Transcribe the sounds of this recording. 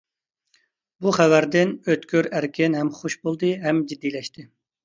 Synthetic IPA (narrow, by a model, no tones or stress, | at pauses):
buχævæɾd̪ɪnøt̪kʲøɾæɾkʲʰɪnɦɛmχoʃbolˠd̪ɨɦɛmd͡ʒid̪ːijlɛʃt̪ʰɪ